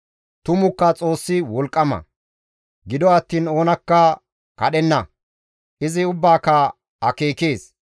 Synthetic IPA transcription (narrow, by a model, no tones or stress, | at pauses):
t̪ʊmʊkːɐt͡sʼo̞ːsːɪwɔlkʼːɐmɐ̰ | ɡɪd̪ɔɐt̪ːiːno̞ːnɐkːɐ | kɐɗɛnːɐ | ʔɪzɪʊbːaːkːɐ | ɐkeːke̞ːs